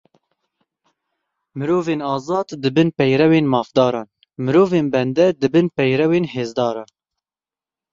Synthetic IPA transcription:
mɨɾoːveːnɑːzɑːd̪d̪ɨbɨnpɛjɾɛweːnmɑːfd̪ɑːɾɑːn | mɨɾoːveːnbɛnd̪ɛd̪ɨbɨnpɛjɾɛweːnheːzd̪ɑːɾɑːn

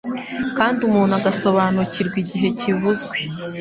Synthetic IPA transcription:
kaːndiumuːn̥uaɡaso̞βaːnuciɾɡwiɟiɦe̞civuzɡwe̞

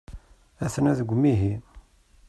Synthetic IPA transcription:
æθnæðəɡʷːmːiɦi

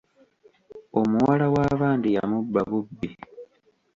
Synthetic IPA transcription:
o̞muwalawaːβaːndija̰mubːaβubːi

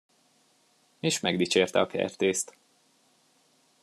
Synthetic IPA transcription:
eːʃmɛɡd̪iːt͡ʃeːrt̪ɛɒkʰɛ̰rt̪eːst̪

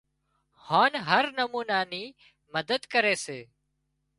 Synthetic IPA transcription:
haːnɦəɾnəmuːnaːniː | məd̪əd̪kəɾeːseː

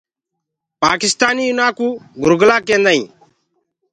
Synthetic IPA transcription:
paːkɪst̪aːniːʊnaːkuːɡʱʊɾɡlaːkẽːnd̪aːḭ̃ː

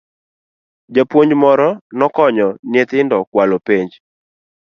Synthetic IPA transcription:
d͡ʒapwoɲd͡ʒmɔɾɔnɔkɔɲɔnɪet̪ɪndɔkwalopeɲd͡ʒ

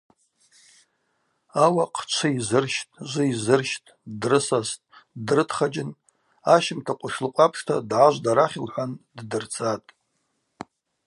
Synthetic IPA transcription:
awaqʼʰt͡ʃʷʰaizɨrʃtʼʒʷɨizɨrʃtʼdrɨsastʼdrɨtʰχad͡ʒɪn | aʃɪmtʰaqʷʼʊʃlɨqʷʼapʰʂtʰadʕaʒʷdaɾaχʲɪlħʷanddɨrt͡sʰʼatʼ

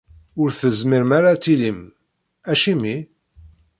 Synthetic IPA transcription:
ʊɾθəzmiɾmaɾat͡s̪ːilim | æʃimi

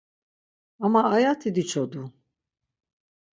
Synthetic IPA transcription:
amaːjat̪ʰid̪it͡ʃʰod̪u

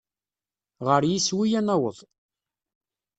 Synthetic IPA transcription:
ʁəɾjiswijænæwəðˤ

